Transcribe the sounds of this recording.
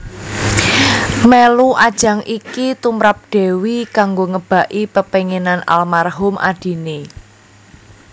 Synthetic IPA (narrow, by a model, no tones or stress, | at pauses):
meluʔad̥ʒ̥ä̤ŋʔikit̪umɾap̚ɖ̥eɛ̤wikaŋɡoŋəb̥a̤ʔipəpeŋenanʔa̰lmarɦʊmʔa̰d̥i̤ne